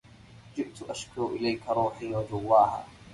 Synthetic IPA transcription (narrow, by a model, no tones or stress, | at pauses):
d͡ʒɪʔt̪ʊʔaʃkʊɾʔɪlajkaɾˤuːħiːwad͡ʒʊwːaːha̰ː